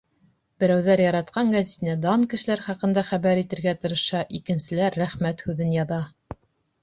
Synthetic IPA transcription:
b̥ɘ̆ɾæwðæɾjɑɾɑt̪̚qɑŋɡæzʲiet̪ɘ̆næd̪ɑnkɘ̆ʃɘ̆læɾχɑqɤ̆nd̪ɑχæβæɾit̪ɘ̆ɾɡæt̪ɤ̆ɾɤ̆ʃɑʔikɘ̆nsɘ̆læɾːæχmæt̪hʉðɘnjɑðɑ

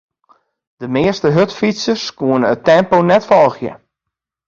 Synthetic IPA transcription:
d̥əmɪəstəɦøtfitsəskuənəətɛmponɛtfɔlˠxjə̰

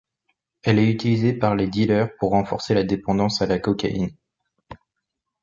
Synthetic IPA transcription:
ɛlɛyt̪ilizepaʁled̪ilœʁpuʁːɑ̃fɔʁselad̪epɑ̃d̪ɑ̃salakɔkʲa̰ʔḭn

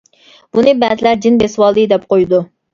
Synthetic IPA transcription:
b̥unɨbɛzɪlæɾd͡ʒinbeswɑlˠd̪ɨd̪ɛp̚qojd̪u

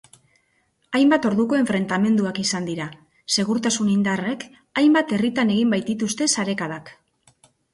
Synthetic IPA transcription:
ajmbat̪o̞ɾðuko̞e̞ɱfɾe̞nt̪ame̞nd̪uakisand̪iɾa | se̞ɣ̞uɾt̪asunind̪are̞k | ajmbat̪e̞rit̪ane̞ɣ̞imbajt̪̚it̪ust̪e̞saɾe̞kaðak

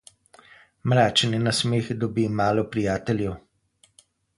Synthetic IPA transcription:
mɾaːt͡ʃɛninasmeːxd̪ɔbimaːlɔpɾijaːt̪ɛlʲjɛw

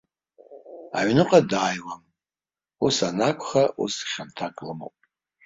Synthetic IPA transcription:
a̰ʕnɨqʼadaːjwam | usanakʷʰχaʔṵsχʲantʰakʼlɨmo̰wpʼ

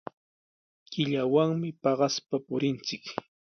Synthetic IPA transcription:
kɪʎawaŋmɪpɑɢɑspapʊɾɪnt͡sɪk

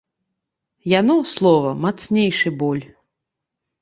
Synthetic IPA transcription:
janɔslˠɔvɐmat̪snʲejʂɨbɔlʲ

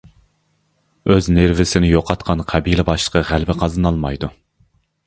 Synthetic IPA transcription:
øzneɾvɪsɪnɪjoqʰɑt̪̚qʰɑnqʰæbilɪbɑʃlˠə̥qʰɑʁælbɪqʰɑzɑnɑlˠmɑjd̪u

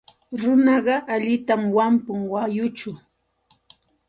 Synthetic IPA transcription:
ɾʊnɑɢɑʔaʎɪt̪amwampʊŋwajʊt͡ʃʊ

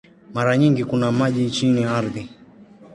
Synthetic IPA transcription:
maɾaɲiŋɡikunamaʄit͡ʃiniaɾði

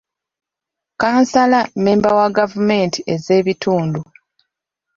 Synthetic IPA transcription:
kaːnsalameːmbawaɡavume̞ːntie̞ze̞ːβitʰuːndu

